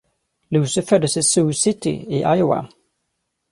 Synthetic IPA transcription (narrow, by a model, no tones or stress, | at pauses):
lʉːsɪfœd̪ːəsɪsʉːsɪt̪ɪ̰ɪʔajʊa̰